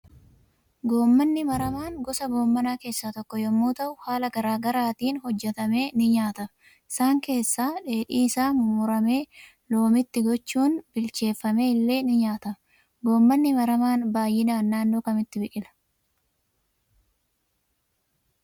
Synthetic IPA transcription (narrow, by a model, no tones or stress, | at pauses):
ɡo̞ːmːɐnːɪmɐɾɐmaːŋɡɔsɐɡo̞ːmːɐnaːke̞ːsːat̪ɔkːɔjɐmːuːt̪ɐʔʊhaːlɐɡɐɾaːɡɐɾaːt̪iːnhɔd͡ʒːɛt̪ɐme̞ːnɪɲaːt̪ɐ | ɪsaːŋke̞ːsːaːᶑe̞ːᶑiːɪsaːmʊmʊɾɐme̞ː | lo̞ːmɪt̪ːɪɡɔt͡ʃːuːnbɪlt͡ʃe̞ːfːɐme̞ːɪlːe̞ːnɪɲaːt̪ɐ | ɡo̞ːmːɐnːɪmɐɾɐmaːnbaːjːɪnaːnːaːnːoːkɐmɪt̪ːɪbɪʔɪlɐ̥